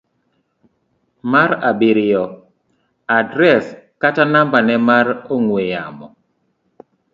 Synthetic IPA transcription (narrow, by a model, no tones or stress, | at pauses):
maɾabɪɾɪjɔ | adɾɛskatanambanɛmaɾoŋwejamɔ